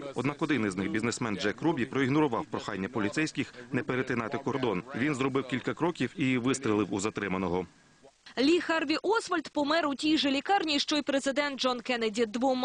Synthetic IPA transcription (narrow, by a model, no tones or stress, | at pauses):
ɔd̪nɑkɔd̪ɪnɪznɪxbʲiznesmɛnd͡ʒɛkːɾubʲipɾɔiɣnɔɾʊʋɑwpɾɔxɑnʲːɐpɔlʲit̪sɛjsʲkʲɪxnɛpeɾet̪ɪnɑt̪ɪkɔrd̪ɔnʋʲinzɾɔbɪwkʲilʲkɐkɾɔkʲiwiʋɪst̪ɾʲilˠɪwuzɐt̪ɾɪmɐnɔɦɔ | lʲixarʋʲiʔɔsʋɐlʲt̪pɔmɛɾʊtʲijʒelʲikɑrnʲiʃt͡ʃɔjpɾezɪd̪ɛnt̪̚d͡ʒɔnkɛnɐdʲid̪ʋɔm